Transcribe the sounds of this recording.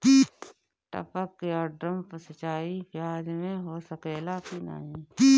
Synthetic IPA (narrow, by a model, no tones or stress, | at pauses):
ki | ʈə̰pəkɔːɾɖɾəmpəsət͡ʃaːipʰjaːd͡ʒmẽɦoːsəkeːlaːkina̰ĩːi